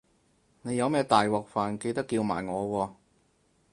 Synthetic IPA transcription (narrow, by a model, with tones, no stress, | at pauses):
ne˨˧jɐ˨˧wmɛː˥t̪aː˨jwɔː˨k̚faː˨nke˧jt̪ɐ˥kːiː˧wma̰ː˨˩jŋɔː˨˧wɔː˧